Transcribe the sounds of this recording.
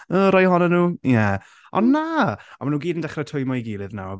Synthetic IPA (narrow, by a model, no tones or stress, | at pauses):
əɾɔjɦɔnənuːjɛ | ɔ̰nːaɔmanuːɡiːdəndɛχrətʰʊjmɔiɡiːlˠɨðna̰w